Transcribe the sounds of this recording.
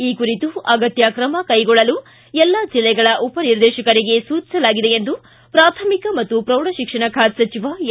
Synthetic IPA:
iːkuɾit̪uʔɐɡɐt̪jaːkɾɐmɐkɐjɡɔɭːɐlu | ɛlːad͡ʒilːɛɡɐɭɐʔupɐniɾd̪ɛːʃɐkɐɾiɡe̞suːt͡ʃisɐlaːɡid̪e̞end̪u | pɾaːt̪ʰɐmikɐmɐt̪ːupɾɐwɽɐʃikʂɐɳɐkʰaːt̪sɐt͡ʃiʋa

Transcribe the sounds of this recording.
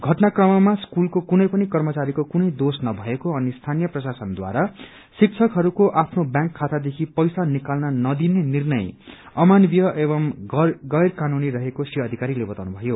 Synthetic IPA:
ɡʱʌʈnakrʌmʌmaskulkokunʌjpʌnikʌrmʌt͡saɾikokunʌjd̪osnʌbʱʌekoʌnist̪ʰanijʌprʌsasʌnd̪wa̰ɾa | sik̚t͡sʰʌkɦʌɾukoʔapʰnobjãŋkʰːat̪ad̪ekʰipʌjsanikalnʌnʌd̪inenirnʌj | ʌmanbjʌʔebʌmɡʌjrkanuniɾʌɦekosiʌʌd̪ʱikaɾilebʌt̪awnubʱʌjo

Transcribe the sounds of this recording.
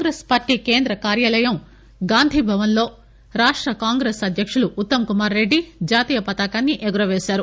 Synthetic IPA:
ɡɾeːspaːɾʈiːke̞ːnd̪ɾɐkaːɾjaːlɐjɐm | ɡaːnd̪ʱibʱɐʋɐnlo̞ː | ɾaːʂʈɾɐkaːŋɡɾeːsɐd̪ʱjɐkʂuluːt̪ːɐmkumaːɾːe̞ɖːid͡ʒaːt̪iːjɐpɐt̪aːkaːnːiʔɛɡuɾɐʋeːsaːɾu

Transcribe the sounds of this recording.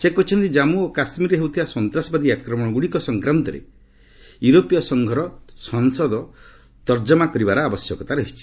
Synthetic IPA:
sekɔt͡ʃʰɔnt̪id͡ʒamuokasmiɾeɦewut̪ʰibasɔnt̪ɾasɔbad̪iakɾɔmɔɽ̃ɔɡuɽikɔsɔŋkɾant̪ɔɾḛ | juɾopijɔsɔŋɡʱɔɾɔsɔŋsɔd̪ɔ | t̪ɔɾd͡ʒɔmakɔɾibaɾɔabɔsjɔkɔt̪aɾɔɦit͡ʃʰi̥

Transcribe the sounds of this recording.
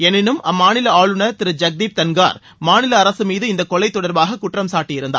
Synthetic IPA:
ɛnːɪnɯmɐmːaːnɪlɐaːɭɯnɐɾt̪ɪɾɯd͡ʒɐk̚d̪iːp̚t̪ɐnɡa̰ːɾ | maːnɪlɐːɾɐsɯmiːðɯɪnd̪ɐkːɔɭːɐɪt̪ːɔɽɐɾbaːɣɐkʊʈːrɐmsaːʈːɪjɪɾɯnd̪a̰

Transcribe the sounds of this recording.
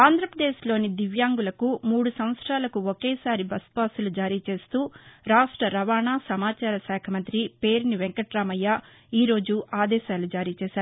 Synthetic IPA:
aːnd̪ɾɐpɾɐd̪eːʃlo̞ːnid̪iʋjaːŋɡulɐkumuːɽusɐm̃ʋɐt̪sɾaːlɐkuokeːsaːɾibɐsbaːsulud͡ʒaːɾiːt͡ʃe̞ːst̪uːɾaːʂʈɾɐɾɐʋaːɳaːsɐmaːt͡ʃaːɾɐsɛːkʰɐmɐnt̪ɾipeːɾniʋeŋkɐʈɾaːmɐjːa | iːɾo̞ːd͡ʒuʔaːd̪ɛːʃaːlud͡ʒaːɾiːt͡ʃɛːsaːɾu

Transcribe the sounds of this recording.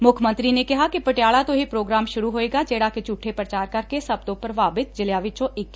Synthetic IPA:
mʊkʰmə̃nt̪ɾinekɐɦakipɐʈjaːɭat̪oɦipɾoːɡɾaːmʃʊɾuɦoːeːɡaːd͡ʒeːɽaket͡ʃuːʈʰːepɾɐt͡ʃaːɾkɐɾkesɐb̚t̪õpɐɾʋaːbɪt̪̚d͡ʒɪljaːʋɪt͡ʃõʔɪkː

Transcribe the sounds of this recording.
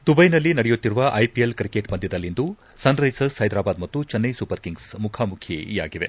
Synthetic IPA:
t̪ubɐjnɐlːinɐɽɛjut̪ːiɾuʋɐʔɐjpielkɾikeːʈbɐnd̪id̪ɐlːind̪u | sɐnɾɐjsɐshɐjd̪ɾaːbaːd̪mɐt̪ːut͡ʃɐnːɐjsupɐɾkiŋɡsmukʰaːmukʰjḛija̰ːɡiʋe̞̰

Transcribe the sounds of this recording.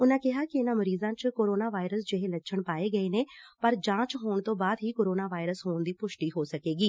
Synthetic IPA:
ʊnãːkɪɦaːkɪɪnãːməɾiːzãːt͡ʃkoːɾoːnaːʋaːɪɾəsd͡ʒɪɦeːləʃʰəɳpaːeːɡəeːneːpəɾd͡ʒãːt͡ʃɦoːɳt̪õːbaːd̪ɦiːkoːɾoːnaːʋaːɪɾəsɦoːɳd̪iːpʊʃʈiːɦoːsəkeːɡiː

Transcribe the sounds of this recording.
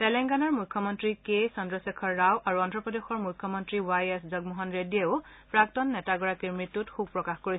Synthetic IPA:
tɛlɛŋɡanɔɹmukʰːɔmɔntɹikesɔndɹɔsekʰɔɹːawʔaɹuɔntɹɔpɔdexɔɹmujkʰːɔmɔntɹiwajeszɔɡ̚muɦɔnɹedieʊ | pɹak̚tɔnːɛtaɡɔɹakiɹmɹitːutxub̚pɹɔkaxkoɹi

